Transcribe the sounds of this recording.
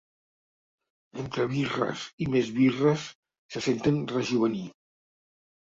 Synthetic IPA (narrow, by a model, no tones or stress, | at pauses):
ent̪ɾəβirə̰simezβirəsː | əsent̪ənrəʒuβəni